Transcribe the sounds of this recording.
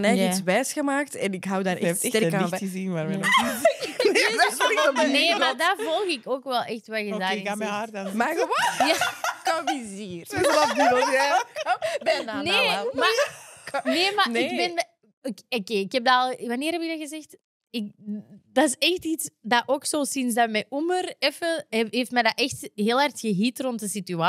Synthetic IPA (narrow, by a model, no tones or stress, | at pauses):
nɛjisʋɛːsxəmaːktɛnɪkɦawdaːɾɛfɛtɛɾkabəzinʋarmɛɔ | neːmadavɔlˠɣɪkoːkʋɛlˠɛxtʋɛɣədaaardmaəjakobiziːrlabulja | bɛneːma | neːmanɪɡ̚bɛn | kokeːɪkɛb̚dalˠʋaneːɾɦɛpɪkɡ̚daɣəzɛxt | ɪk̚daɪsɛxtitsdaʔoːksoːsɪnsdamɛjʔumərɛfəeːftmɛjdaʔɛxtɦeːlˠɦartxəɦitrɔntdəsityaː